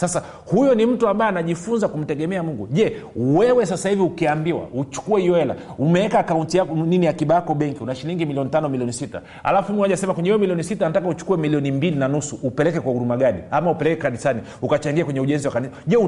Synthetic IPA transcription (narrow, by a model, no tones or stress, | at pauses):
sasa | hujɔnim̩tuambaɛanaʄifunzakum̩tɛɠɛmɛamuŋɡuʄɛwɛwɛs̬asahiviukiambiwa̰ut͡ʃu̥kuɛijɔɛla̰ | umɛɛkakauntijakniniakiɓajakɔɓɛŋkiunaʃiliŋɡimiliɔnitanɔmiliɔnisita̰ | ha̰lafuumwaʄasɛmakwɛɲɛiɔmiliɔnisitanatakaut͡ʃu̥kuwɛmiliɔnimbilinanusuʔːpɛlɛkɛkwahuɗumaɡaɗiamaupɛlɛkɛkanisani | ukat͡ʃaŋɡiakwɛɲɛuʄɛnziwakanisaʄɛu